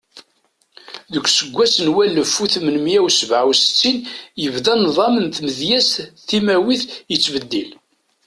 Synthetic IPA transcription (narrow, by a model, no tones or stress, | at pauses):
ðəkʷːsəɡʷːæsənwælːəfːuθmənmjæwsəvʕawsə̥t͡sːinjəvðænðˤɑmənθməðjæsθimæwiθjət͡sːvəd̪ːil